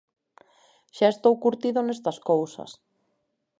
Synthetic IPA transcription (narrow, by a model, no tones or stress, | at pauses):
ʃaest̪owkuɾt̪iðonest̪ɐskowsɐ̰s